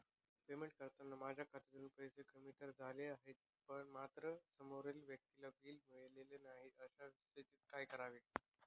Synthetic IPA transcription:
pemeɳʈ̚kəɾt̪anːamad͡ʑʱjakʰat̪ʰet̪əɾuːnpəisekəmiʈəɾd͡zʱaleaɦet̪̚ | pəɳmat̪ɾəsəmoɾelʋjək̚t̪ilabiːlmiɭelelenaɦiʔəɕast̪it̪iːt̪kajkəɾaʋe

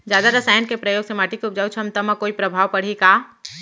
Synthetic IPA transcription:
d͡ʒjaːd̪aɾɐsaːjənkepɾəjoːɡsemaːʈikup̚d͡ʒaːut͡ʃʰɐmt̪ɐmakoːipɾɐbʱaːʋpɐɽ̤ikaː

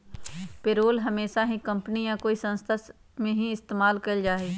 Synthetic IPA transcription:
peɾoːlɦɐmeːʃaɦĩkɐ̃mpənijãkoːisɐ̃nst̪ʰas | mẽɦĩɪst̪eːmaːlkɐld͡ʒaːeː

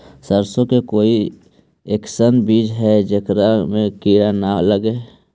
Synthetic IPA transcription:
səɾsõkekoːi | eksənbiːd͡ʒɦɛd͡ʒekɾamẽkiːɾanaləɡe

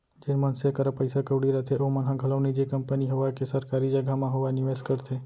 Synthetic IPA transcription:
d͡ʒenmənsekəɾəpəjsakəʋɽiɾət̪ʰeʔomənɦãɡʱələʋnid͡ʒekəmpəniɦoʋakesəɾkaːɾid͡ʒəɡʱamãɦoʋanɪʋeskəɾt̪ʰe

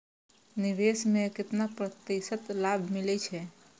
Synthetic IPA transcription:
niʋesmekɪt̪napɾət̪ːisət̪labʱmilɛt͡ʃʰɛ

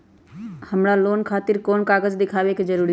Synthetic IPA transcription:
həmɾaloːnkʰaːt̪iɾkoːnkaːɡəd͡ʒd̪ɪkʰaːʋeked͡ʒəɾuːɾi

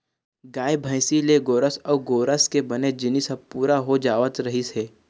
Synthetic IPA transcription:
ɡaːjbʱə̃ɪ̃sileɡoːɾəsɔːɡoːɾəskebəned͡ʒɪnisəpuːɾaɦod͡ʒaːʋət̪ɾɐɦiseː

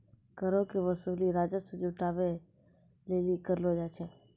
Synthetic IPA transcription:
kəɾokeʋəsuːliɾaːd͡ʒəsed͡ʒʊʈaːʋe | leːlikəɾlod͡ʒat͡ʃʰɛ

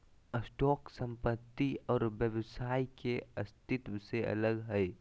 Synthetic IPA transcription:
əsʈɔːksə̃mpət̪ːiɔːɾʋjəʋsaːikeɐst̪ɪt̪ʋseʔɐ̰ləɡɦɛj

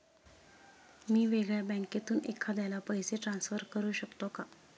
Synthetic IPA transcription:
miːʋeɡɭjabɛ̃ŋket̪uːnekʰad̪jajlapəɦjseʈɾansfəɾkəɾuːɕəkt̪oka

